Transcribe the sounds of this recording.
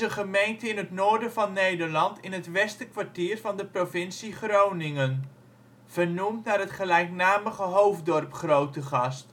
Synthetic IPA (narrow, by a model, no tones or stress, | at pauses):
əχəmejntəɪnətnʊːɹdənvɑnːejdərlɑntɪnɦətʋɛstəkʋaɹtiːrvɑndəprovɪnsiχrownɪŋən | v̥ərnumtnaːrɦətχəlɛjknaːməχəɦowvdɔrpχrowtəχɑst